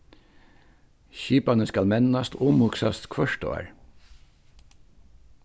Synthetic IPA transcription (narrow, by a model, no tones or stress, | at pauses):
çiːpanəskalmɛnːast̪ʊmhʊksa̰st̪kʰvœʂt̪ʊ̰a̰ɹ